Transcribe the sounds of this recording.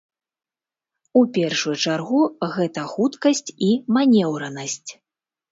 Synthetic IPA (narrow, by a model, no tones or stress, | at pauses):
upʲɛrʂujut͡ʂarɣuɣɛt̪ɐxut̪kɐsʲt͡sʲimanʲɛwɾɐnɐsʲt͡sʲ